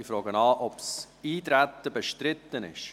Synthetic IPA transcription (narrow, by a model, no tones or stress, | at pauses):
ifɾɔːɡənɑːʔɔps | iːt̪ɾæt̪ːəbeʃtɾɪt̪ːənɪ̰ʃ